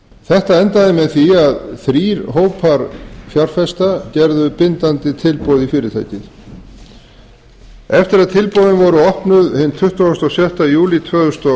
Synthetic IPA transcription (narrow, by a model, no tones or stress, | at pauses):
θɛht̪aɛnt̪aðɪmɛðθiaðθɾiːɾɦoːwpʰaɾfjaɾ̥fɛst̪acɛɾðʏpɪnt̪ant̪ɪt̪ʰɪlpowðifɪːɾɪt̪ʰa̰jcɪð | ɛft̪ɪɾaðt̪ʰɪlpɔwðɪnvɔɾʏɔhpnʏðhɪnt̪ʰʏht̪aʏst̪ɔsjɛht̪ajuːlit̪ʰvœːðʏst̪ɔ